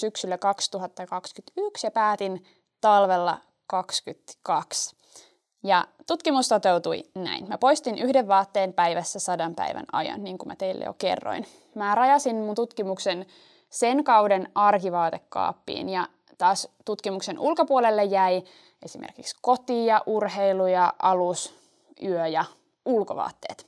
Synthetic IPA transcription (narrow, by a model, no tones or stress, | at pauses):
syksylːækɑkst̪uɦɑt̪ːɑkɑkskyt̪yksjɑpæːt̪in | t̪ɑlʋelːɑ̰ | kɑkskyt̪kɑks | jɑt̪ut̪kimust̪ot̪e̞wt̪uinæ̰inmæpo̞ist̪inʔyhdeʋːɑːt̪ːeːnpæiʋæsːæsɑdɑmpæ̰iʋæ̰nɑ̰jɑ̰nːiːŋkumæt̪eilːḛjo̰kḛrːo̰in | mæɾɑjɑsinmunt̪ut̪kimuksen | senkɑwdenɑrkiʋɑːt̪ekːɑ̰ːpːḭːnjɑ | t̪ɑːst̪ut̪kimuksenʔulkopuolelːejjːæi | ʔe̞simḛrkiksko̞t̪iːjɑʔurheilujɑʔɑlus | yøjɑ | ulko̰ʋɑ̰ːt̪ːe̞̰ːt̪